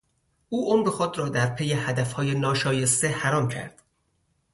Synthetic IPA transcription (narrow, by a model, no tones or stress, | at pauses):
ʔuːʔomɾexod̪ɾɒːd̪æɾpʰejehæd̪æfhɒːjenɒːʃɒːjest̪e̞hæɾɒːmcʰæ̰ɾd̪̥